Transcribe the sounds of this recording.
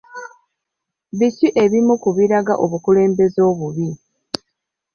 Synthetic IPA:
βiciʔe̞βimukuβiɾaɡaʔo̞βukule̞ːmbe̞zo̞ːβuβi

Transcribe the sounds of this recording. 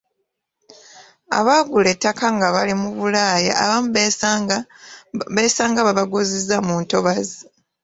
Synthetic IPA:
a̰βaːɡuletːakaŋɡaβalimuβulaːja̰ːβamβ | βesaːŋɡaβaβaɡozizamuːnto̞βazi

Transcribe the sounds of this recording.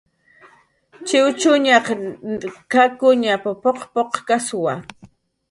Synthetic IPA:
t͡ʃɪwt͡ʃʊɲaq | kakʊɲapapoqpoqkaswa

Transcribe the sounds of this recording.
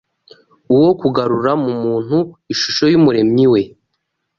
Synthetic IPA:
uwo̞kuɡaɾuɾamumuːn̥huiʃuʃo̞jumuɾe̞miwe̞

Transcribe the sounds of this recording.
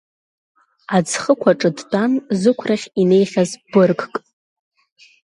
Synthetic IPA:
ad͡zχəkʷʰaʈ͡ʂʼɨdtʼanzɨkʷʰraχʲine̞jχʲazb̥ɨrkkʼ

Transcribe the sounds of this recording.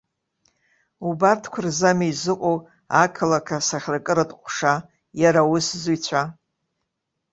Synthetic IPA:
ubartʰkʷʰʊrzamizɨqʷʼow | akʰalakʰasaχʲrakʼɨɾatʼqʷʼʂa | jaɾawʊszujt͡ɕʷʰa

